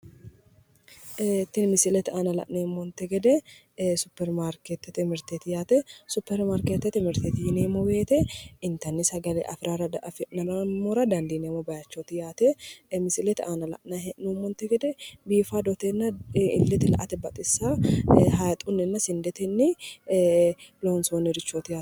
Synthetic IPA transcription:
t̪ːɪnmɪsɪlɛt̪aːnɐlɐ̰ʔneːmːɔnt̪ɛɡɛd̪ɛ | sʊpːɛɾmaːɾket̪ːɛt̪ɪmɪɾt̪eːt̪ɪjaːt̪ɛsʊpːɛɾmaːɾkeːt̪ːɛt̪ɪmɪɾt̪eːt̪ɪjɪneːmːobe̞ːt̪ɛɪnt̪ɐnːɪsɐɡɐlḛːʔɐ̰fɾaːɾɐfnɐmɐmoɾɐd̪ɐnd̪ineːmobɐjɐt͡ʃːot̪ɪjaːt̪ɛmɪsɪlɛt̪ʔaːnɐlɐ̰ʔnɐhɛʔnumːɔnt̪ːɛɡɛd̪ɛbiːfaːd̪ɔt̪enːɐɪ̰lːɛt̪ɪlɐ̰ʔɐt̪ɛbɐt̪ʼɪsːaːɦɐjt̪ʼʊnːɛnːɐsɪnd̪ɛt̪ɛnːɪ | lonsonːɪɾɪt͡ʃːot̪ɪjaː

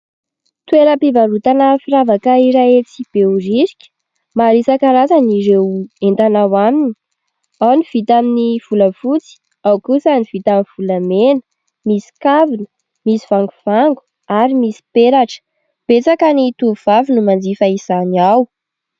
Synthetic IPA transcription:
t̪weɾəpivaɾut̪anafiɾavakəiɾaet͡sib̥ewrisi̥kʲə̥ | maɾisakəɾat͡saniɾewent̪anawamini̥ | awniv̥it̪aminiv̥uləvut͡si̥ | awkusəniv̥it̪aminv̥ulamenə̥ | misi̥kavinə | misi̥v̥aŋɡuv̥aŋɡu̥ | aɾimisi̥peɾaʈ͡ʂə̥ | b̥et͡sakanit̪uv̥avinumand͡zifəiz̥aniaw

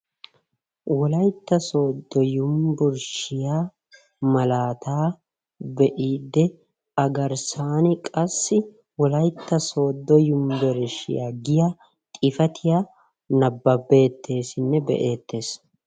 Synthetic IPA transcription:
wɔlɐjt̪ːɐsoːd̪ːɔjʊmbʊɾʃɪjaː | mɐlaːt̪aː | bɛʔiːd̪ːɛ | ɐɡɐɾsaːnɪkʼɐsːɪ | wɔlɐjt̪ːɐso̞ːd̪ːɔjʊmbɛɾɛʃɪ̰ja̰ːɡɪja | t̪ʼɪfɐt̪ʰɪjaː | nɐbːɐbːe̞ːt̪ʰːe̞ːsɪnːɛbɛ̰ʔeːt̪ːe̞ːs

